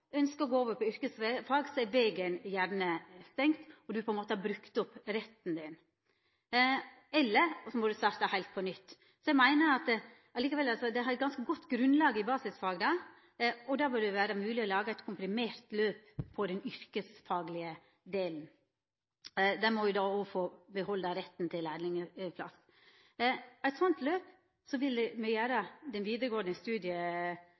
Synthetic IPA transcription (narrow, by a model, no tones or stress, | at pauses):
œnskəɔɡoːoːʋəɾpʰɔʏɾkəsfɑːɡsɔɛɾʋeːɡənjæɾɳəst̪ɛŋkt̪ɔd̪ʉpʰɔɛnmoːt̪əhɑbɾʉkt̪ʊpːɾɛt̪ːn̩d̪ɪn | ɛlːəɾsɔmɔd̪ʉst̪ɑːɾt̪ɑhæɪlt̪̚pʰɔnʏt̪ː | sɔɛɪmæɪnəɑt̪ | ɑliːkəʋɛlɑlsɔd̪ɛhɑɾɛt̪̚ɡɑnskəɡɔt̪ːɡɾʉnlɑːɡəɪbɑːsɪsfɑːɡd̪ɑ | ɔd̪ɑːbɪd̪ɛʋæːɾəmʉːlɪɔlɑːɡəæɪt̪kʰʊmpɾɪmeːɾt̪løːppʰːɔd̪ɛnʏɾkəsfɑːɡlɪə | d̪eːln̩ | d̪ɛmɔʋjʊd̪ɑːɔfoːbəhɔld̪ɑɾɛt̪ːn̩t̪ʰɪlæd̪ɪŋəpʰlɑ̰s | æɪt̪sɔnt̪løːp | sɔʋɪld̪ɛmɛjæːɾəd̪ɛnʋiːd̪əɾəɡoːnɛnst̪ʉːd̪ɪə